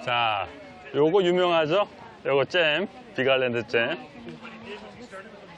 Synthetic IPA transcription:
t͡ɕa | joɡʌjumjʌŋɦad͡ʑʌ | jʌɡʌt͡ɕ͈em | piɡaɭːendɯt͡ɕ͈em

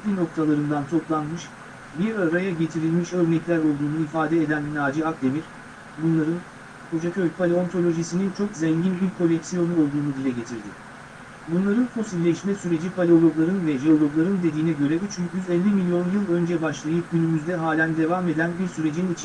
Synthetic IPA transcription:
lʲino̞k̚t̪ʰalˠaɾɯnd̪ant̪ʰo̞plˠanmɯʃ | biɾaɾajaɟe̞t̪ʰiɾilʲmiʃø̞ɾnɛclʲæɾo̞lˠd̪uːnuifaːd̪ɛed̪ænbinaːd͡ʒiak̚d̪e̞miɾ̥ | bunlˠaɾɯn | kʰo̞d͡ʒacʰølʲpʰalʲeo̞nt̪ʰo̞lʲo̞ʒisinint͡ʃʰo̞kzɛɲɟinylʲkʰːo̞lʲːɛksijo̞nuo̞lˠd̪uːnud̪ilʲɛɟe̞t̪ʰiɾd̪ɪ̰ | bunlˠaɾɯnfo̞silʲːɛʃmɛsyɾe̞d͡ʒipʰalʲeo̞lʲˠo̞ɡlˠaɾɯnvɛʒeo̞lʲˠo̞ɡlˠaɾɯnd̪e̞d̪iːnɛɟø̞ɾɛd̪it͡ʃʰyɲcjyzɛlʲːimilʲijo̞njɯlˠø̞nd͡ʒɛbaʃlˠajɯp̚ɟynymyzd̪ɛɦaːlʲænd̪e̞vame̞d̪ænbiɾsyɾe̞d͡ʒinit͡ʃʰ

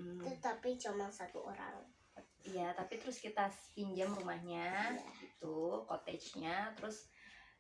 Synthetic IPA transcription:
t̪ət̪apit͡ʃomaŋsat̪ṵʔoɾa̰l | ijat̪apit̪əɾʊskit̪aspiɲd͡ʒamrumahɲait̪ukɔt̪ɛd͡ʒɲat̪əɾʊs

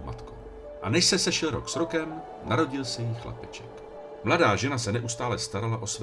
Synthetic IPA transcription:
ma̰t̪ko | ʔa̰nɛʃsɛsɛʃɛlɾo̰ksɾo̞kɛm | naɾo̞ɟɪlsɛjixla̰pɛt͡ʃɛk | mladaːʒɛnasɛnɛʔust̪aːlɛst̪aɾalaʔo̞sv

